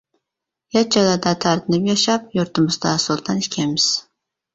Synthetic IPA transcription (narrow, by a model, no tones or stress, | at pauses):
jat͡ʃad̪ad̪at̪ʰaɾd̪ʰɪnɪpjaʃap̚juɾt̪ʰʊmɨzd̪asolˠt̪ʰankʲʰɛmɪz̥